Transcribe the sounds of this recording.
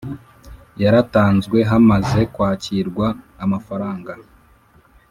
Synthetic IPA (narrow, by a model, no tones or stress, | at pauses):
jaɾataːnzɡwe̞ɦamaze̞kwaːciɾɡwaːmafaɾaːŋɡa